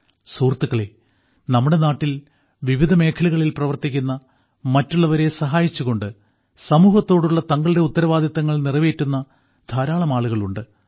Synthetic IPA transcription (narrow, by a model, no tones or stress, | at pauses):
suːrt̪ːuɣɐɭe̞ | nɐmːuɽe̞naːʈːil | ʋiʋid̪ʱɐme̞ːkʰɐluɣɐɭilprɐʋɐrt̪ikʲːunːɐ | mɐtːuɭːɐʋɐɾe̞sɐɦaːjit͡ɕːuɣo̞ɳɖɨ | sɐmuːɦɐt̪ːo̞ːɽuɭːɐt̪ɐŋɡɐɭde̞ut̪ːɐɾɐʋaːd̪ʱjɐt̪ːɐŋːɐɭnirɐʋeːtːunːɐ | d̪ʱaːɾaːɭɐmaːɭuɣɐɭuɳɖɨ